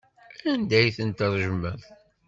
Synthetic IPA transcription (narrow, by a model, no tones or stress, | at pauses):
ænd̪æjθənt̪ərˤʒəmːæθ